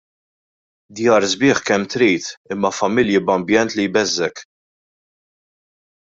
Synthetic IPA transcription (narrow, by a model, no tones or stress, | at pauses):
d̪jɐːɾzbɪːħkɛmːt̪ɾiːt̪ɪmːɐfɐmɪljɪbɐmbjɛnt̪lijbɛzːɛk